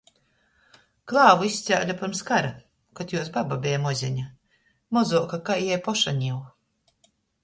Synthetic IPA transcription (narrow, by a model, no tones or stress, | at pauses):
klˠaːvuisʲt̪sʲawlʲapʲaɾmskaɾa | kɔt̪juɔsbababʲɛjamɔzʲɛɲa | mɔzuɔkakajjɛjpɔʃaɲʲiw